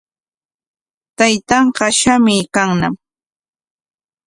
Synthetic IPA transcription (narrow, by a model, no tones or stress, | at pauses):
t̪ajt̪ɑɴɢɑʃamɪkaŋna̰m